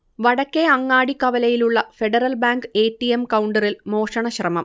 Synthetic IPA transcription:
ʋɐɽɐkːeɐŋːaːɽikːɐʋɐlɐjiluɭːɐfe̞ɖɐrɐlbaːŋɡɨe̞ːʈːijemkɐwɳɖɐrilmo̞ːʂɐɳɐɕrɐmɐm

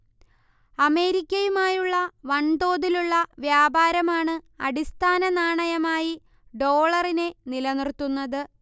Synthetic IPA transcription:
ɐme̞ːɾikʲːɐjumaːjuɭːɐʋɐɳd̪o̞ːðiluɭːɐʋjaːbʱaːɾɐmaːɳɨɐ̰ɽist̪ʰaːnɐnaːɳɐjɐmaːji | ɖo̞ːɭɐrine̞nilɐnirt̪ːunːɐðɨ

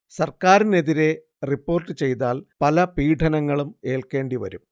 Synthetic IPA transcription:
sɐrkaːɾine̞ðiɾe̞ | ripːo̞ːrʈːɨt͡ɕe̞jt̪aːlpɐlɐpiːʈʰɐnɐŋːɐɭume̞ːlke̞ːɳɖiʋɐ̰ɾum

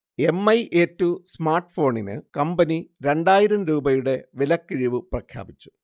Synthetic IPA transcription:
e̞mːɐjʔeːtːusmaːrʈɨfo̞ːɳinɨ̰kɐmbɐniɾe̞ɳɖaːjiɾɐmɾuːbɐjuɽe̞ʋilɐkːiɻiʋɨprɐkʰja̰ːbit͡ɕːu̥

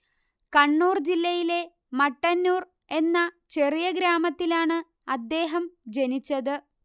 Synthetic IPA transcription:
kɐɳːuːrd͡ʑilːɐjile̞ | mɐʈːɐnːuːr | e̞nːɐ | t͡ɕe̞rijɐɡɾaːmɐt̪ːilaːɳɨ | ɐd̪ːe̞ːɦɐmd͡ʑe̞nit͡ɕːɐðɨ

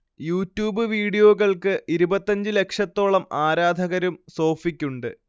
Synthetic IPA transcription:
juːtːjuːbɨʋiːɽijo̞ːɣɐɭkɨʔiɾubɐt̪ːɐɲd͡ʑɨle̞kʂɐt̪ːo̞ːɭɐmaːɾaːd̪ʱɐɣɐɾumso̞ːfikʲːuɳɖɨ

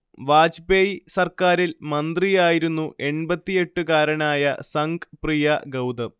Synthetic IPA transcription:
ʋaːd͡ʑbejsɐrkaːɾilmɐnd̪rijaːjiɾunːuʔe̞ɳbɐt̪ːije̞ʈːɨkaːɾɐɳaːjɐ̰sɐŋɡprijɐɡɐwd̪ɐ

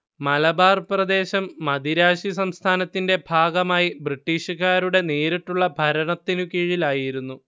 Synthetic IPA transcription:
mɐlɐbaːrprɐd̪e̞ːɕɐmːɐd̪iɾaːɕis̬ɐmst̪ʰaːnɐt̪ːinde̞bʱaːɡɐmaːjibriʈːiːɕukaːɾuɽe̞neːɾiʈːuɭːɐbʱɐɾɐɳɐt̪ːinukiːɻilaːjiɾunːu

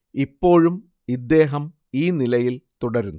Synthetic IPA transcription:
ipːo̞ːɻum | id̪ːe̞ːɦɐm | iːnilɐjilt̪uɽɐɾunː

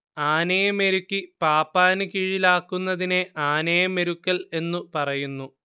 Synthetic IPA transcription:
aːnɐjɐme̞ɾukːipaːpːaːnɨkiɻilaːkːunːɐðineaːnɐjɐme̞ɾukːɐle̞nːupɐrɐjunːu

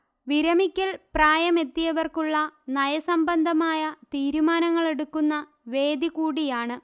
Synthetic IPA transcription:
ʋiɾɐmikʲːɐlpraːjɐme̞t̪ːijɐʋɐrkuɭːɐnɐjɐsɐmbɐnd̪ʱɐmaːjɐt̪iːɾumaːnɐŋːɐɭe̞ɽukːunːɐ | ʋe̞ːd̪ikuːɽijaːɳɨ

